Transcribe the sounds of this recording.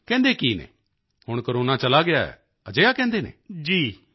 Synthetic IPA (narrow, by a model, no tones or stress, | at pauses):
kɛ̃ːnd̪eːkiːnɛ̰ː | hʊɽ̃kəɾoːnat͡ʃəlaɡɪaɛ̰ː | əd͡ʒeːjaːkɛ̃ːnd̪eːnḛ̃ːd͡ʒiː